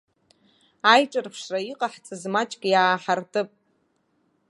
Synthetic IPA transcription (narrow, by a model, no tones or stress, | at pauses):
ajʈ͡ʂʼɨrpʰʂraiqʼaħt͡sʼɨzmat͡ʃʼkʲʼjaːħartʼɨpʼ